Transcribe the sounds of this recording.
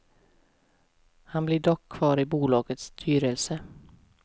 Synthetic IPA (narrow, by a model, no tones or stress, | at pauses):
hanblɪɖɔkʰːv̥ɑːɾɪbuːlɑːɡət̪st̪ʰyːɾəlsə